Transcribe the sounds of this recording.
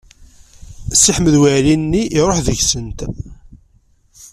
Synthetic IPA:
sːiħməðwælinːiʔːɾˤoħðəʝsənt̪

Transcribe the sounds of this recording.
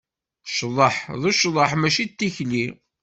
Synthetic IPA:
ʃðˤəħðˤuʃðˤəħmæʃit̪ːiçli

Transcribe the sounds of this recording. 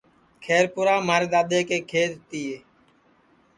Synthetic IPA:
kʰeːɾpʊɾaːmaːɾed̪aːd̪eːkeːkʰeːɾt̪iːeː

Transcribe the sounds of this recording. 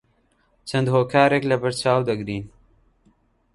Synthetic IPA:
t͡ʃʰɐnd̪hoːkʰaːɾeːklɐbɐɾt͡ʃaːwd̪ɐɡɾiːn

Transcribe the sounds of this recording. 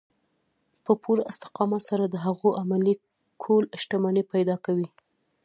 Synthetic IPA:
pəpʰuɾɪ̰st̪ɪ̥qɑmasaɾad̪əɦaɣoʔamali | kʰolʃʈamɑnepajd̪ɑkawi

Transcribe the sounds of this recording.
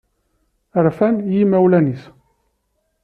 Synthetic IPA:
əɾfænjimæwlænis

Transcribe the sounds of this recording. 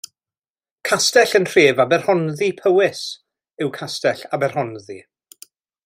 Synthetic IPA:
kʰastɛɬənr̥eːvabɛrhɔnðipʰəwɪs | ɪwkʰastɛɬabɛrhɔnðḭ

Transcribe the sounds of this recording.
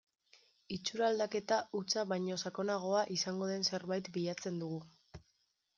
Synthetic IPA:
it͡ʃuɾald̪ake̞t̪aut͡saβajɲo̞sako̞naɣ̞o̞aʔisaŋɡo̞ð̞e̞nse̞ɾβajt̪biʎat͡se̞nd̪uɣu

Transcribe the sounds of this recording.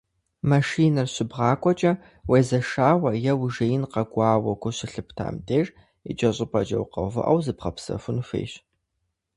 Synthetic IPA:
mɐʂiːnɐrɕɪbʁɑːkʷʼɔt͡ʃʼɐ | weːzɐʂaːwɐjɛwʒejɪnqɐɡʷʼɑːwɐkʷʊɕɪɬɨp̚ʰtʰa̰ːmtʰʼeːr | ḭd͡ʒʼɐɕʼɪpʰʼɐd͡ʒʼɐ̰wqɐ̰vɨ̰ʔɐ̰wzɨpʁɐpsɐ̰fʊnfḛːɕ

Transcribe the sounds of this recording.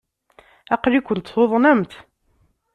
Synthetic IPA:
æqɾikʷʊnt̪θoðˤnæmt̪

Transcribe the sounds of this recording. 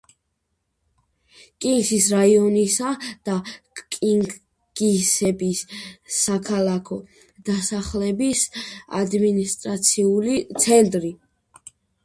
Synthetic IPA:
kʼiŋɡsisɾaiɔnisad̪̥akʼiŋ | ɡ̥isɛbisːakʰalˠakʰɔ | d̪̥asaχlɛbisa̰d̪minist̪ʼɾat̪sʰiulit̪sʰɛnt̪ʼɾi

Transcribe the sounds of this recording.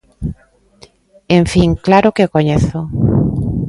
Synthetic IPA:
eɱfiŋklaɾʊkeokoɲeθo

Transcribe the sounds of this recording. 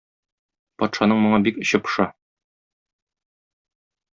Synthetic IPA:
pɒt̪ʃɑnɤɴmŏɴɑbikɵ̆ɕɤpɤ̥̆ʃɑ

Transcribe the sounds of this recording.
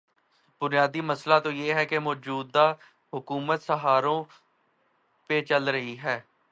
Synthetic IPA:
b̥ʊnijaːd̪iːməslaːt̪õːjeːɦɛːkemɔːd͡ʒuːd̪ːaː | ɦʊkuːmət̪səɦaːɾõː | pet͡ʃəlɾəɦiɦɛː

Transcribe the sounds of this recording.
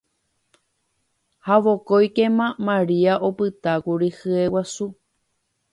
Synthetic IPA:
haʋo̞kojkemãmãɾiaʔopɨt̪akuɾihɨe̞wasu

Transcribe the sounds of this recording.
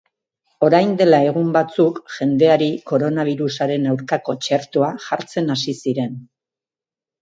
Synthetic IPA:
o̞ɾajnd̪e̞lae̞ɣ̞umbat͡sukʝe̞nd̪e̞aɾiko̞ɾo̞naβ̞iɾusaɾe̞nawɾkako̞t͡ʃe̞ɾt̪uaʝaɾt͡se̞nasisiɾe̞n

